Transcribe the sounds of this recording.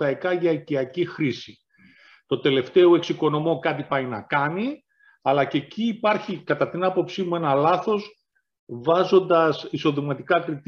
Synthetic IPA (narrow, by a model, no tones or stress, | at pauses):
ɐikɐʝɐiciɐcixɾisi | t̪o̞t̪e̞le̞ft̪e̞oe̞ksiko̞no̞mo̞kɐt̪ipɐinɐ̰kɐni | ɐlɐce̞ciːpɐɾçikɐt̪ɐt̪inɐpo̞psimue̞nɐlɐθo̞s | vɐzo̞nd̪ɐsiso̞ðimɐt̪ikɐkɾit̪